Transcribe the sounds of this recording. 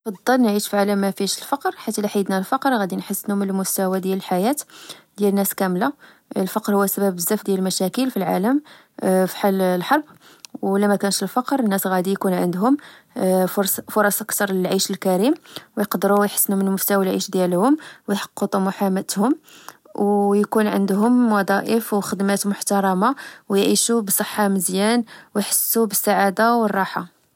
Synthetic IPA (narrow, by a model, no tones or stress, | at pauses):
fɑd̪ˤːɑlnʕiʃfiʕaləmːæfiʃəlfɑqɾħat̪ːæliħajəd̪nælfɑqɾɣæd̪inħəsːnumənəlmʊst̪æwad̪jæləlħajæt̪d̪jælənːæskæmla | lfɑqɾhuwːæsæbæbəzːæfd̪jæləlmæʃækəlfilʕa̰ləm | fi̥ħallħɑɾˤb | wlæmækænʃəlfɑqɾˤənːæsɣæd̪ijkunʕə̰nd̪ɦʊm | ɾfʊɾˤɑsʔəkt̪ɑɾˤləlʕiʃəlkæɾimwjqd̪ɾujħə̥sːnumənəlmʊft̪æwlʕḭʃd̪jælhʊmwjħɑ̥qːət̪ˤumʊħamət̪hʊmwjkunʕə̰nd̪ɦʊmwɑd̪ˤɑʔəfwxəd̪mæt̪mʊħt̪ɑɾˤɑmawjʕiʃubəsˤəħːaməzjænwjħə̥sːubəsːaʕad̪awərˤːɑħa